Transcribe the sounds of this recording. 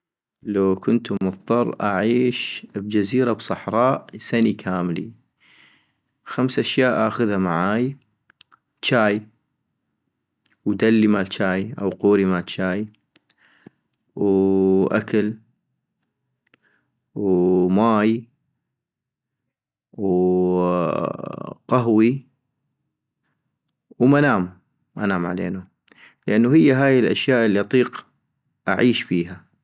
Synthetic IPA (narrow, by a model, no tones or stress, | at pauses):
lawkʊnt̪mʊðˤt̪ˤɑɾˤːʔaʕiːʃbd͡ʒaziːɾabsˤɑħɾˤɑːʔsanikʰaːmlḭ | xamsʔaʃjaːʔʔaːxʊðhamaʕaːj | t͡ʃaːj | wd̪alːimalt͡ʃaːjʔa̰wquːɾimat͡ʃaːj | wʔa̰kal | wmaːj | w | qaɦwi | wmanaːm | ʔanaːmʕa̰lḛːnu | lʔanːuhɪjːaɦaːjɪlʔa̰ʃjaːʔɪlːiʔɑt̪ˤiːq | ʔaʕiːʃbiːɦa